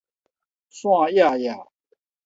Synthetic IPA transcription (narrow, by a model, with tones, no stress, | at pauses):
swɑ̃˥˧ja˥˧ja˥˨˩